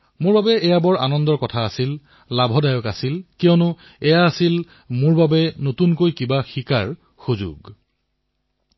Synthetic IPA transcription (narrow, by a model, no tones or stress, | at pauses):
mʊɹbabɛɛjabɔɹanɔndɔɹkɔtʰaːsil | labʱɔdajɔkasilkijɔnʊ | ɛjaːsil | mʊɹbabɛnotunkojkibaxikaɹ | xuzṵɡ